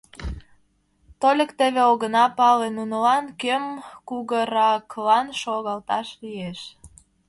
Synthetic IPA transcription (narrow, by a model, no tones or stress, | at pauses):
t̪olʲə̆kt̪ə̆βeoɣənɑpɑlenunəlɑnkømkuɣəɾɑklɑnʃoɣɑlt̪ɑʃlieʃ